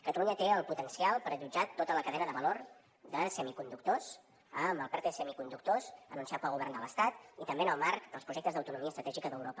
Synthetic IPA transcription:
kət̪əluɲət̪eəlˠput̪ənsialˠpəɾəʒud͡ʒat̪ot̪ələkəðɛnəðəβəloɾ | d̪əsɛmikund̪uk̚t̪os | əməlˠpɛt̪esɛmikund̪uk̚t̪osə̰nunsiat̪pəlˠɣuβɛɾrnd̪ələst̪at̪it̪əmbeənəlˠmaɾkd̪əlˠpɾuʒɛk̚t̪əzðəwt̪unumiəst̪ɾət̪ɛʒikəðəwɾopə

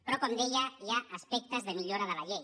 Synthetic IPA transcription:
pɾɔkond̪eʎajaːspɛk̚t̪əzðəmiʎoɾaðəlaʎej

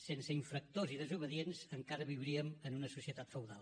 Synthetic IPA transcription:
sensəiɱfɾək̚t̪oziðəzuβ̞əðienzəŋkaɾəβiwɾiəmənunəsusiət̪at̪fəwðalˠ

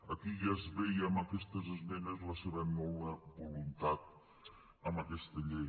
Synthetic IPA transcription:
əkiʒazβejəməkɛst̪əzəzmɛnəzləseβənɔwəbulunt̪at̪̚ | əməkɛst̪əʎej

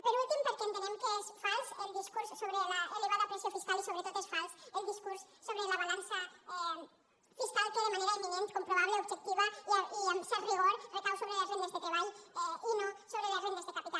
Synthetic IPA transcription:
peɾulˠt̪impeɾkent̪oneŋkesfalsəlˠd̪iskuɾsːoβɾelaoleɣaɾðapɾesiafiskalisoβɾet̪ot̪esfalsəlˠd̪iskuɾsːoβɾelaβalansa | fiskalˠk̪eðemaneɾaiminent̪kompɾoβaβaubʒek̚t̪iβaaiəmsariɣ̞oɾrekawsoβɾeləzrond̪azðet̪ɾeβaʎunasoβɾeləzronəzðəkapit̪a

